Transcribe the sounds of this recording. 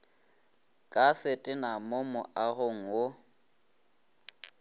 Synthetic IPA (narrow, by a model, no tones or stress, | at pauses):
kʼasɪtʼɪnamomʊʔaɣʊŋ̩wo